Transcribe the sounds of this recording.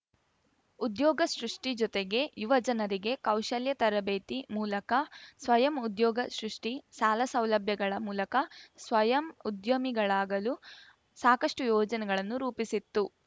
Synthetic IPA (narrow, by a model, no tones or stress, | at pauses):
ud̪jɔːɡɐsɾuʂʈid͡ʒɔt̪eɡe̞juʋɐd͡ʒɐnɐɾiɡe̞kɐwʃɐljɐt̪ɐɾɐbeːt̪imuːlɐkɐsʋɐjɐmud̪jɔːɡɐsɾuʂʈisaːlɐsɐwlɐbʱjɐɡɐɭɐmuːlɐkɐsʋɐjɐmud̪jɐmiɡɐɭaːɡɐlu | saːkɐʂʈujɔːd͡ʒɐnɛɡɐɭɐnːuɾuːpisit̪ːu